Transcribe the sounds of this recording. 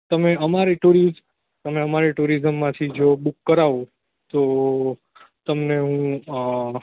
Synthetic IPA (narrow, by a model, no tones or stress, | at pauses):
t̪əmeəmaɾiʈuɾiz | t̪əmeəmaɾeʈuɾizəmːãt̪ʰid͡ʒobukːəɾaʋo | t̪o | t̪əmneɦũ